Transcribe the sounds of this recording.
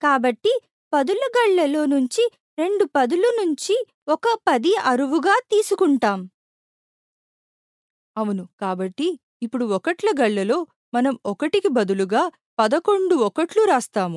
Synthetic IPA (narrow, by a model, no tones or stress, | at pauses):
kaːbɐʈːi | pɐd̪ulɐɡɐɭːɐlo̞ːnuɲt͡ʃi | ɾe̞ɳɖupɐd̪ulunuɲt͡ʃi | ɔkɐpɐd̪iɐɾuʋuɡaːt̪iːsukuɳʈaːm | ɐʋunukaːbɐʈːiː | pːuɽuɔkɐʈlɐɡɐɭːɐlo̞ː | mɐnɐmɔkɐʈikibɐd̪uluɡaː | pɐd̪ɐko̞ɳɖuɔkɐʈluɾaːst̪aːmu